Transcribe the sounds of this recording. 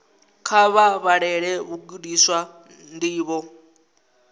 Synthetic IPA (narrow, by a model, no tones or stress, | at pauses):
kʰaβaβaɺɛɺɛβuɡuɗiswa | ndiːβɔ